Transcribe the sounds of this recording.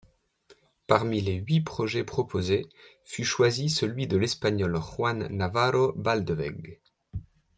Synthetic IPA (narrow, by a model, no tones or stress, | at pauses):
paʁmileɥipχɔʒɛpχɔpʰoze | fyʃwazisəlɥid̪əlɛspaɲɔlχwanːavaʁobald̪vɛ̰ɡ